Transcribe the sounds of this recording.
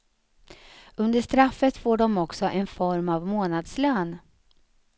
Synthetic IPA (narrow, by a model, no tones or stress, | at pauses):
ɵnd̪əʂt̪ɾafːət̪foːɖɔmɔksɔʔɛnfɔɾmavmoːnad̪sløːn